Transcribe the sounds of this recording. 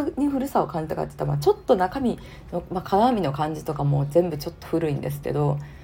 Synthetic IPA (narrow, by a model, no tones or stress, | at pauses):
ɲ̟iɸɯ̟ɾɯ̟sao̞kãɲ̟d͡ʑit̪aka̰t̪e̥t̪ama̰t͡ɕo̞t̪ːo̞nakamʲi | no̞makʰanamʲino̞kãɲ̟d͡ʑit̪o̞kamo̞ːzẽ̞mbɯ̟t͡ɕo̞t̪ːo̞̥ɸɯ̟ɾɯ̟ĩnd̪e̞s̬ɨ̥ke̞̰d̪o̞